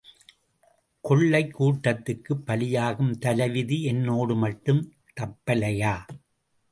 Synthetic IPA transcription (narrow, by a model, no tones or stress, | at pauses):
kɔɭːɐɪkːuːʈːɐt̪ːɯkːɯpːɐlɪjaːɣɯmt̪ɐlɐʋɪðiɛnːoːɽɯmɐʈːɯm | t̪ɐpːɐlɐjaː